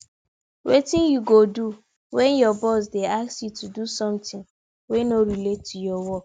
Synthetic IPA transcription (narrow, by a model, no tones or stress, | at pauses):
wetɪ̃njuɡodu | wɛ̃njɔbɔs̬deaksjutʰudusɔ̃mtɪ̃ŋ | wɛnoɾiletʰːujɔwɔk